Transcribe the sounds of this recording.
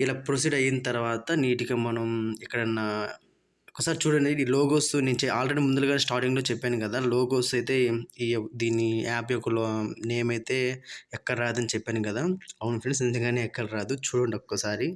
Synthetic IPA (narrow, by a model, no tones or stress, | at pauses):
ilaːpɾos̬iːɖɐjːinɐt̪ɐɾɐʋaːt̪ɐniːʈikɐmɐnɐmikːɐɽɐnːɐ | ɔkːɐsaːɾit͡ʃuːɽɐɳɖiloːɡoːsunent͡ʃeaːlɾeɽimund̪ɐlɐɡaːneːsʈaːɾʈiŋɡlo̞ːt͡ʃɛpːaːnukɐd̪aːloːɡoːsɐjt̪e̞ːid̪iːnːiaːpjokːɐloːneːmɐjt̪e̞ːɛkːɐɽɐɾaːd̪ɐnit͡ʃɛpːaːnikɐd̪aːɐwunpʰensind̪ɐŋɡaːneːɛkːɐɽɐɾaːd̪ut͡ʃuːɽɐɳɖɔkːɐsaːɾi